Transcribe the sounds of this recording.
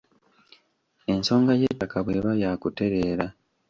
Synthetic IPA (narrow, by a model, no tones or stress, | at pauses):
e̞nso̞ːŋɡajetːakaβwe̞βajaːkute̞ɾe̞ːɾa